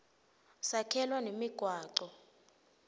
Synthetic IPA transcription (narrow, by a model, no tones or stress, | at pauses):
sakʰɛlwanemiɡ̥ʱwaːǃɔ